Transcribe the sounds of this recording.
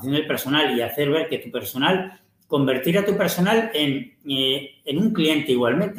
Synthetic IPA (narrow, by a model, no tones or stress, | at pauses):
θjo̞nd̪epeɾso̞naliaθe̞ɾβ̞e̞ɾke̞t̪upe̞ɾso̞nal | ko̞mbe̞ɾt̪iɾat̪upe̞ɾso̞nalen | nuŋklie̞nt̪eiɣwalmẽnt̪